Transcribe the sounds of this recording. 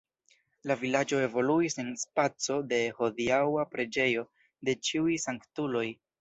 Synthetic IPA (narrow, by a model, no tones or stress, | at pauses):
lavilad͡ʒo̞e̞vo̞luise̞nspat͡so̞de̞ho̞diawapɾe̞d͡ʒe̞jo̞ | de̞t͡ʃiujsaŋktulo̞j